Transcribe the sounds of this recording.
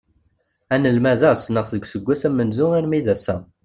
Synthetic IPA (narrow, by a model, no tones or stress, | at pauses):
ænəlmæðæsnəʁθðəɡʷsəɡʷːæsæmːənzʊiɾmiðæsæ